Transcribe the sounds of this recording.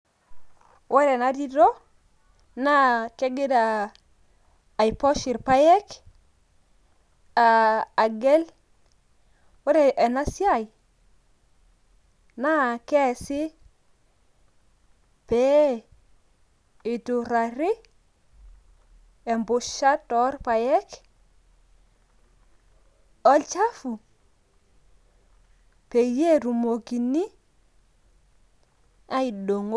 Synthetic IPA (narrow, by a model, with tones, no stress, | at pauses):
wʔa˦ɾɛ˨na˦di˦dɔ˦ | na˦ke˦ɡe˦da˨ | jpɔ˦ʃi˨ɾpa˦jɛ˦k | a˨a˨ɡɛ˦l | wɛ˦ɾɛ˨ʔɛ˨na˦si˦a˦˨j | na˦˨kɛ˦˨si˦ | pɛ˦ | ɪ˨tu˨ɾa˨ɾɪ˦ | ɛ˨mbʊ˨ʃa˦tɔ˦rpa˨jɛ˦k | ɔ˦lt͡ʃa˦fu˨ | pe˨je˦˨ɾu˨mo˨ki˨ni˦ | a˦i˨ɗo˨ŋo˦